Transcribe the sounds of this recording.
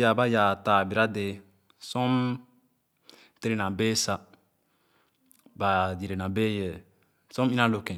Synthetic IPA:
ja˨ba˦ja˨taː˨bi˨ɾa˦de˨ | sɔ˦m | te˦ɾe˨nã˨beː˦sa˦ | ba˨di˨ɾe˨nã˨be˦jɛ˨ | sɔ̃˦m˦i˦na˦lo˨kɛ̃˨

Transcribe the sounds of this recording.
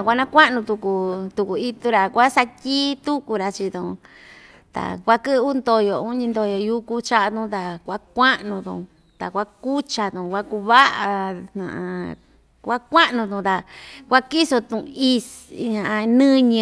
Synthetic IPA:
a˨kʷa˦˧nã˦kʷa˦ʔnũ˧t̪u˧ku˧t̪u˧ku˨i˦t̪u˧ɾa˨kʷa˦sa˧tʲiː˦t̪u˦ku˧ɾa˧t͡ʃi˧t̪ũ˧ | t̪a̰˨kʷa˦kɨ˦˧˦u˦nd̪o˧jo˨u˦ɲĩ˧nd̪o˧jo˨ju˦ku˦t͡ʃa˦ʔa˧t̪ũ˧˦˧t̪a˨kʷa˦kʷa˦ʔnũ˧t̪ṵ̃˧ | t̪a˨kʷa˦ku˦t͡ʃa˧t̪ũ˨˧kʷa˦ku˧βa˦ʔa˨˧n̥nã̰˨ʔ | kʷa˦kʷa˦ʔnũ˧t̪ũ˧t̪a˧kʷa˦ki˦so˧t̪ũ˧i˧ | ɲã˨ʔa˧nɨ̃˦ɲɨ̃˧

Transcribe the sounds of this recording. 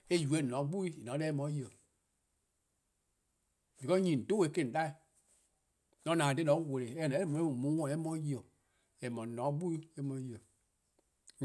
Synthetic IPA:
e˦˨ju˨e˨˦˨nɔ̃˨˦ɡ͡bu˦i˦i˨nɔ̃˨˦ɛ˦e˦mɔ̃˨˦ji˦˨ə˨ | d͡ʒi˨kɔ˦ɲĩ˨n̩˨to˦e˨˦kẽ˦˨da˦i˨ | nɔ̃˨˦nãː˨de˦nɔ̃˨˦we˨le˨ɛ˦˨nã˨˦mũ˨˦ũ˨mũ˨˦wɔ̃˦˨e˦mɔ̃˧˦ji˦˨o˨ | e˨mɔ̃˨nɔ̃˨˦ɡ͡bu˦i˦e˦mɔ̃˧˦ji˧˨ə˨

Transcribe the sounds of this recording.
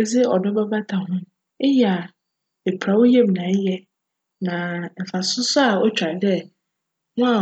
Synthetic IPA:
e˨d͡zɪ˦ɔ˨dɔ˦ba˦ba˦tʰa˨hʊ̃˦ | e˦jɛ˨a˨ | e˨pʰɾa˨wo˦jɛ˦m˨nã˨˦jɛ˦ | nã˨m̩˨fã˨sʊ˦sʊ˦a˨ɔ˦t͡ɕᶣɾa˨˦dɛ˦ | ŋʊ̃˦a˨

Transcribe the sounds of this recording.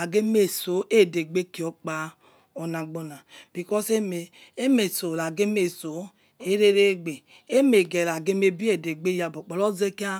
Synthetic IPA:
a˨ɡe˦me˨so˨˦ʔe˦˨de˨ɡ͡be˦ki˨ɔ˨k͡pa˦ | ɔ˨na˨ɡ͡bo˨na˨b̥i˨kɔ˦se˦me˨ | e˦me˨so˨la˨ɡe˦me˨so˨˦ | e˦ɾe˦ɾe˦ɡ͡be˨ | e˦me˨ɡe˨la˨ɡe˦me˦bi˦e˨de˨ɡ͡be˦ja˨bo˨k͡pɔ˨lɔ˦ze˦ki˦a˦

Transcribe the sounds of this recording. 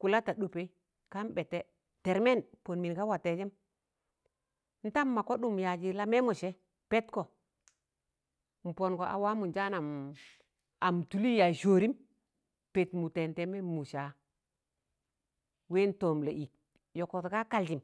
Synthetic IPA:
ku˨la˦ta˨ɗo˨pe˦ | ka˦mbe˨tːe˦ | te˨ɾme˦npo˨nmi˨nka˦wa˨te˨d͡ʒe˦m | n̩˦ta˦mːa˨ko˦ɗu˦˨mja˨d͡ʒi˨la˦me˦mo˨ʃe˦ | pe˦tko˨ | m̩˨po˨nko˨ʔa̰˨wa˦mu˨nd͡ʒa˦na˨m | a˨mtu˨li˦ja˨jʃo˨ɾi˦m | pe˨tmu˨te˨nte˦me˦mu˨ʃa˨ | we˦n˦to˨mle˨ʔi˨k̚ | jo˨ko˨tka˦ka˦ld͡ʒi˨m

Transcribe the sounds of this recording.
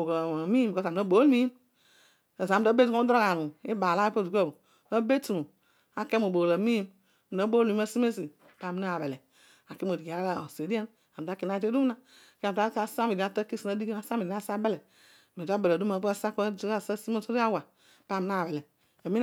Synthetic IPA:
o˨ko˨mi˦m˨ko˦sa˨no˦bo˨˦lmi˦m | e˨sa˦be˦tu˦o˦do˦ka˨nu˨i˦ba˨la˦po˦˨du˨ko˦˨ | o˦be˦tu˨mo˨ | a˨ke˦mo˨bo˨la˨mi˦m˨ | no˨˦bo˦mi˨˦a˦si˦me˦si˨ | pa˦˨mi˨na˦a˨be˨le˨ | a˨ke˦m˦o˨di˨ka˨˦a˦o˨se˨di˦e˦n | a˨m˨da˨˦ki˨n˦a˦te˦du˦m˦na˦˨ | ke˦˨a˦a˦sa˦mi˨di˨a˨˦ta˦ki˦si˨no˦di˦ka˦sa˦mi˨i˨˦a˦sa˦be˦le˨ | me˨˦a˦be˨lu˦ma˨˦a˦sa˦ka˦˨sa˦si˦mo˦so˦i˦a˦wa˨ | pa˦˨mi˦n˦a˦˨be˨le˨ | a˨mi˦

